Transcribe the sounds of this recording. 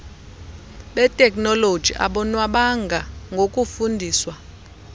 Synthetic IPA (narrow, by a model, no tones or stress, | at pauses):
ɓɛtʼɛkʼnɔlod̥ʒ̥ʱḭʔa̰ɓɔnwaɓaŋɡʱaŋɡʱokʼufundʱiːswa